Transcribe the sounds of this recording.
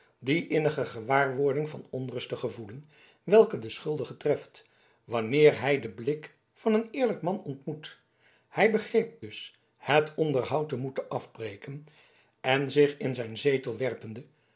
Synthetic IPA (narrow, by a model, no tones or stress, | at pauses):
diʔɪnəχəχəʋaːɹʋʊɹdɪŋvɑnɔnrɵstəχəvulən | ʋɛlˠkədəsχɵlˠdəχətrɛft | ʋɑnɪːɹɦɛjdəblɪk | fɑnənɪːɹləkmɑnɔntmut | hɛjbəχrejp̚d̥ɵs | hətɔndəɹɦʌwtəmutəʔɑfbrejkən | ɛnzɪχɪnzɛjnzeːtəlˠʋɛrpəndə